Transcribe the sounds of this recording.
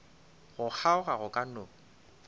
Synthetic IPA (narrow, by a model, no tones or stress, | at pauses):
ɣʊk͡xʰaʊɣaɣʊkʼano